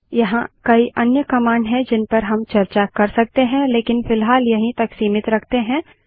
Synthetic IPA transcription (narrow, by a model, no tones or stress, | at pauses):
jɐɦã̰kɐiʔɐnjəkɐmaːɳɖɦɛ̃d͡ʒɪnpɐɾɦɐmt͡ʃɐɾt͡ʃakɐɾsɐk̚t̪eɦɛ̃leːkɪnfɪlɦaːljɐɦĩt̪ɐksiːmɪt̪ɾɐkʰt̪eɦɛ̃ː